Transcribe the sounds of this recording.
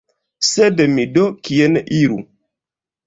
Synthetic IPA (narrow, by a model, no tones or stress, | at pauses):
sedmidokienʔiɾṵ